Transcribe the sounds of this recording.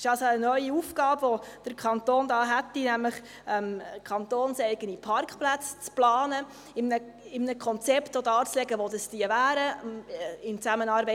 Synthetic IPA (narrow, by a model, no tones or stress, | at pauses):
ɪʃɑlsoənœʏiufɡ̥ɑːbʋod̥əɾkʰɑnt̪oːndɑːɦæt̪ːinæmləχ | ɛmkʰɑnt̪oːnsɛɪɡənipʰɑɾkχplæt͡st͡splɑːnə | ɪmnə | ɪmnəkʰɔnt͡sɛptodɑːt͡slɛɡəʋodəstiəvæːɾə | ɪmt͡sæmənɑːɾbɛ